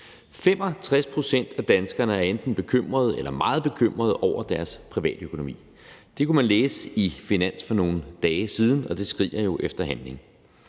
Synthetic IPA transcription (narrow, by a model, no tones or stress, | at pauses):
fem̰ɒ̽t͡sʰʁaspʰʁo̝sen̰d̥æd̥ænsɡ̥ɐnəæɐend̥n̩b̥e̝kʰøm̰ʁɐð̞̩ˠelɐmɑ̈ːð̞̩ˠb̥e̝kʰøm̰ʁɐðˠʔɒʊ̰ɐd̥æɐspʰʁiʋɛ̰ːd̥økʰo̝no̝mḭː | d̥e̝kʰumænleːsəifinæn̰sfɒ̽no̝ːn̩d̥ɛːsiːð̞ˠn̩ɒ̽d̥e̝sɡ̥ʁḭːɐjo̝ʔefd̥ɐɦænle̝ŋ